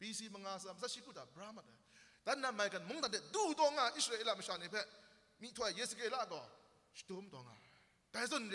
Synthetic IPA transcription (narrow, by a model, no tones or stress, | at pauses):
b̥isiməŋasaməs̬ʰaʃikʰud̪abəɹamatɛd̥anamajkãnmʊ̃d̪ãtɪʔt̪ut̪ɔŋaʔɪsəɹeʔelaməʃanebɛ | mitʰwɛʔjesəkela̰kɔ | ʃə̥d̥omt̪ɔŋa̰ | kazʊ̃n